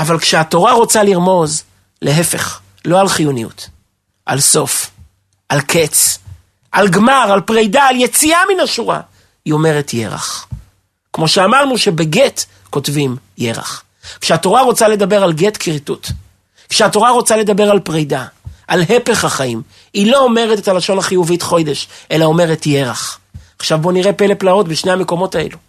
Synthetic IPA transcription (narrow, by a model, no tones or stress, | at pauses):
avalkʃeato̞ʁaʁo̞t͡saliʁmo̞z | le̞ɦefe̞̰χ | lo̞alχijunijṵt | ʔa̰lso̞f | ʔalkʰet͡s | ʔalɡmaʁalpʁejdaːljet͡siaminaʃuʁa̰ | jo̞me̞ʁetʰje̞̰ʁa̰χ | kmo̞ʃeamaʁnuʃe̞be̞ɡet | ko̞tvim | je̞̰ʁa̰χ | kʃeato̞ʁaʁo̞t͡sale̞d̪abe̞ʁalɡe̞tkʁitut | kʃeato̞ʁaʁo̞t͡sale̞d̪abe̞ʁalpʁejdaʔalɦepe̞χhaχaim | ilo̞ːme̞ʁetetalaʃo̞naχijuvitχo̞jd̪e̞ʃʔe̞lao̞me̞ʁetje̞ʁa̰χaχʃavbo̞niʁe̞pe̞le̞plao̞tbeʃnehame̞ko̞mo̞taḛlu